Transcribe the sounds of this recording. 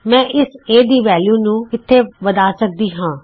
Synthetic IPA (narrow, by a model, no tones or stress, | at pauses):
mɛ̃ːʔɪseːd̪iːʋɛːljuːnũːkɪt̪ʰːeːʋəd̪aːsək̚d̪iːɦãː